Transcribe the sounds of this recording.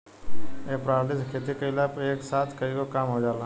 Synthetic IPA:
eːpɾaːɾlɪskʰeːt̪ikəilaːpeːksaːt̪ʰkəiɡokaːmɦoːd͡ʒaːlãː

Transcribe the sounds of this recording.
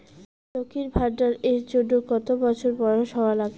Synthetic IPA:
tokʰiɾbʱaɾɖaɾet͡ɕoɖːokɔt̪obɔt͡ɕʰoɾpɔɾoʃɔalaɡe

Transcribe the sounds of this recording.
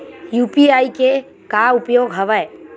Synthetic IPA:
juːpiaːike | kaʊpjoːɡɦəʋəj

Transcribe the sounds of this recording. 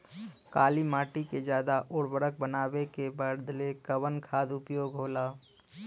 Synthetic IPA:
kaːlimaːʈiked͡ʒjaːd̪aʔoːɽbəɽək̚bənaːwekebəɾd̪lekəʋənkʰaːd̪ʊpjoːɡɦoːlaː

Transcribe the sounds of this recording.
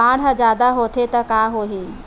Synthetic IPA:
ãːɽɦəd͡ʒjaːd̪aɦot̪ʰet̪ɐkaːɦoːɦiː

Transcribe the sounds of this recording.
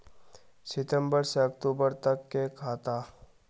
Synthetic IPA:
sɪt̪ə̃mbəɾseɐkt̪uːbəɾt̪ɐkːekʰaːt̪aː

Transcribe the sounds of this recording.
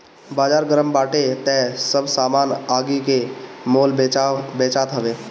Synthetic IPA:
baːd͡ʒaːɾɡəɾəmbaːʈet̪ɛ̃səbʱsaːmaːnaːɡikemoːlbeːt͡ʃaːt̪ɦəʋeː

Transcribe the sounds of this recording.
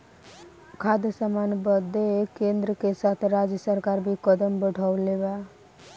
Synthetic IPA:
kʰad̪jəsamanbəd̪ekẽnd̪ɾəkesat̪ʰɾad͡ʒjəsəɾkaɾbʱikəd̪əmbəɽʱawleba

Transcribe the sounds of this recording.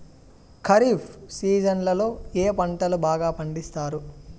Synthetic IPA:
kʰɐɾiːpʰsiːd͡ʒɐnlɐlo̞ːeːpɐɳʈɐlubaːɡaːpɐɳɖist̪aːɾu

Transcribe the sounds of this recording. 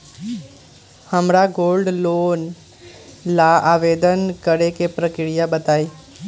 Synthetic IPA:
həmɾaɡolɖlon | laaʋed̪ənkəɾekepɾəkɪɽijabət̪aːi

